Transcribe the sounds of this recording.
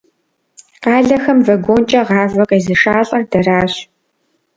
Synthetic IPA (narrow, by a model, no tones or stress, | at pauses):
qɑːɮɐxɐmvɐɡʷoːnt͡ʃʼɐʁɑːvɐqʼezɨʂaːɬʼɐrdɐraːɕ